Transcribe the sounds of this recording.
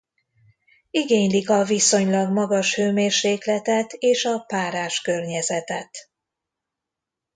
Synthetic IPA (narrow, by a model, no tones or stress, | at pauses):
iɡeːɲlikɒviso̞ɲlɒɡmɒɡɒʃhøːmeːrʃeːklɛt̪ɛt̪eːʃɒpaːɾaːʃkørɲɛzɛt̪ɛt̪